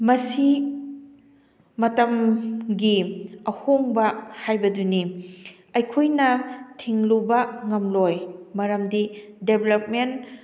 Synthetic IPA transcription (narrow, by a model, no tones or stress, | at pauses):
mɐsi | mɐtɐmɡiɐhoŋbɐhajbɐduni | ɐjkʰojnɐtʰiŋlubɐŋɐmlojmɐɾɐmdideblep̚men